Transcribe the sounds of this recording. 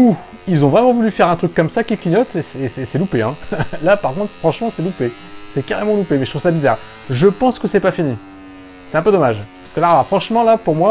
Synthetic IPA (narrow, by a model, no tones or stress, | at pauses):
u | ilzɔ̃vʁɛmɑ̃vulyfɛʁɛ̃t̪χykːɔmsakʲikiɲɔt̪esesɛsɛlupeɛ̰̃lapaʁkɔ̃t̪χfχɑ̃ʃmɑ̃sɛlupe | sɛkaʁemɑ̃lupemɛʒt̪χuv̥sabizaʁ | ʒəpɑ̃skəsɛpafini | sɛt̪ɛ̃pød̪ɔmaʒpḁʁskəlaʁlafχɑ̃ʃmɑ̃lapuʁmwa